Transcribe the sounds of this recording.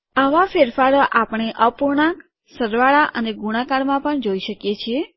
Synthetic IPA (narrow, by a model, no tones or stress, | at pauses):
aʋafeɾfaɾoʔapəɳ̃eʔəpuɾɳak | səɾʋaɭaʔəneɡuɽ̃akaɽmãpəɳd͡ʒoiʃəkjet͡ʃʰie